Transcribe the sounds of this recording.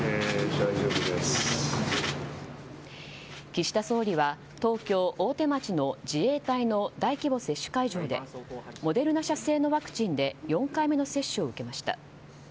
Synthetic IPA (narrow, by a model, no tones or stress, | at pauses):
ed̪ajʑoːbɯd̪es | kʲiɕi̥t̪aso̞ːɾʲiβa | t̪o̞ːkʲo̞ːʔoːt̪e̞mat͡ɕino̞d͡ʑie̞ːt̪aino̞d̪aikʲibo̞se̞ɕːɨ̥kaiʑo̞ːd̪e̞̰mo̞d̪e̞ɾɯ̟naɕase̞ːno̞βakɯ̟̥t͡ɕĩnd̪e̞jõ̞ŋkaime̞no̞se̞ɕːɨo̞ɯ̟ke̞maɕi̥t̪a̰